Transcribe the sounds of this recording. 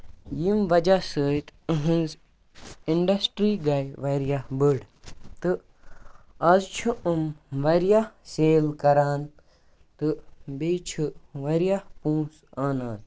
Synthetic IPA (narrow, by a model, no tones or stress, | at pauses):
jimʋɐd͡ʒasəːt̪əɦɨ̃nz | iɳɖɐsʈɾiːɡɐjʋɐɾjahbəɽ | t̪ɨ | ɐzt͡ʃʰuʔəmʋɐɾjahseːlkɐɾaːn | t̪ɨbeːt͡ʃʰuʋɐɾijahpũːsaːnaːn